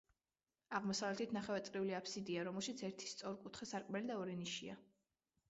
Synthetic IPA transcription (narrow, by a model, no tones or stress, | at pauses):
aʁmɔsavlɛt̪ʰit̪ʰnaχɛvɛt̪sʼɾiuliapʰsid̪iaɾɔmɛlˠʃit̪sʰɛɾt̪ʰi̥st̪sʼɔɾkʼut̪ʰχɛsaɾkʼmɛlid̪aɔɾɛniʃia̰